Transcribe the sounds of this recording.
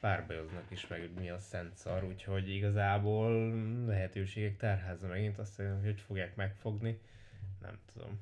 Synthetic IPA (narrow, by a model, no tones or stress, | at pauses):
paːrbɒjoznɒkiʃmɛɡmiɒsɛnt̪sɒɾuːcho̞ɟiɡɒzaːboːllɛɦɛt̪øːʃeːɡɛk̚t̪aːrɦaːzɒmɛɡint̪ɒst̪enocʰocfo̞ɡjaːkmɛkfo̞ɡni | nʔɛ̰mt̪ud̪o̞̰m